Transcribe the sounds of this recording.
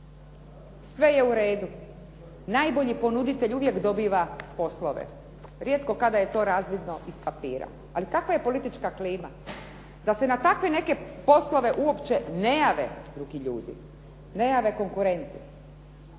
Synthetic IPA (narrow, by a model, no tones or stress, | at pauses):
sʋe̞je̞uɾe̞ːd̪u | naːjbo̞ʎipo̞nud̪it̪eʎuʋje̞kd̪o̞biːʋapo̞slˠoʋḛ | ɾje̞t̪ko̞kad̪aje̞t̪o̞ːɾaːzʋid̪no̞ʔispapiːɾa̰ | alikakʋaje̞po̞lit̪it͡ʃkakliːma̰ | d̪ase̞nat̪akʋe̞ne̞ke̞po̞slˠo̞ʋe̞ʔuopt͡ɕe̞nejaːʋḛd̪ɾuɡiʎṵːd̪ḭ | ne̞jaːʋe̞ko̞ŋkuɾe̞nt̪i̥